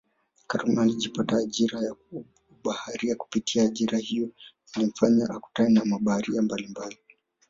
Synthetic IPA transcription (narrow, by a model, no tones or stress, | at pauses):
kaɾumaliʄipataːʄiɾaja | uɓahaɾiaku̥pitʰiaːʄiɾahijɔ | ilim̩faɲaʔaku̥tanɛnamaɓahaɾiambalimbali